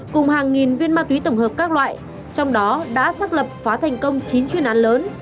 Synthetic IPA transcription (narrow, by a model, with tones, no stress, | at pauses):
kʊ˨˩ŋ͡mhaː˨˩ŋːi˨˩nvḭ˧ənmaː˧t̪wi˨˦t̪ə˧˩wŋ͡mhəː˨˩p̚kaː˦˥k̚lwa̰ː˧˨j | t͡ɕɔ˧wŋ͡mɗɔ˨˦ɗa̰ː˧˥saː˦˥k̚lə˨˩p̚faː˨˦t̪ʰɛ˨˩jŋ̟kə˧wŋ͡mt͡ɕi˨˦nt͡ɕwi˧˩ənʔaː˨˦nləː˨˦n